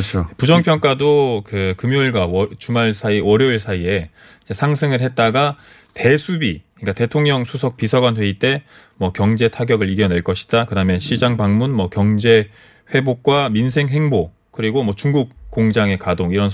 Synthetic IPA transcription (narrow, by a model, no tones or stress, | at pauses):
t͡ɕʰojpud͡ʑʌŋpʰjʌŋk͈adokɯkɯmjuɭɡwat͡ɕumaɭsʰaiwʌɾjʌiɭsʰaie̞ | id͡ʑesʰaŋsʰɯŋɯɭhe̞t̚t͈aɡa | te̞sʰubiɲik͈ate̞tʰoŋɲʌŋsʰusʰʌk̚p͈isʰaɡwanɦwe̞it͈e̞ | mwʌkjʌŋd͡ʑe̞tʰaɡjʌɡɯɾiɡjʌne̞ɭk͈ʌɕʰi̥d̥akɯdamjʌnɕʰid͡ʑaŋbaŋmunmwʌkjʌŋd͡ʑe̞ | ɸwe̞bok̚k͈waminsʰe̞ŋɦe̞ŋbo | kɯɾiɡomʌt͡ɕuŋɡuk̚k͈ːoŋd͡ʑaŋe̞kadoŋiɾʌn